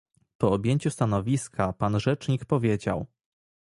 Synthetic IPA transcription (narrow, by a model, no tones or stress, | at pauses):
pɔɔbʲjeɲt͡ɕust̪anɔvʲiskʰapanʐɛt͡ʂɲikpɔvʲjed͡ʑa̰w